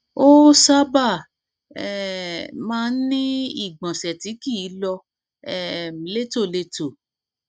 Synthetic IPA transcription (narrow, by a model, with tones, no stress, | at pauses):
o˦sa˦ba˦˨ | ɛ˨mãː˦˧˦n̩˦nĩ˦i˦˨ɡ͡bã˨sɛ˨ti˨˦ki˦˨˦lɔ˧ | ɛ˦mi˨˦le˦˨to˦˨le˧to˨